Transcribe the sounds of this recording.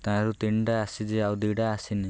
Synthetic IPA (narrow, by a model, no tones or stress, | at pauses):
t̪ãɾut̪iɳɖaːsid͡ʒiawd̪iɖaːsini